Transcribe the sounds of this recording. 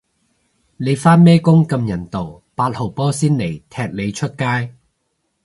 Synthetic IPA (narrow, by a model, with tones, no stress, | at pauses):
ne˨˧jfaː˥nmɛː˥kʊ˥ŋkɐ˧mjɐ˨˩nt̪o˨˩w | paː˧t̚ho˨˩wpɔː˥siː˥nle˨˩jt̪ʰɛː˧k̚le˨˧jt͡ʃʰɵ˥t̚kaː˥j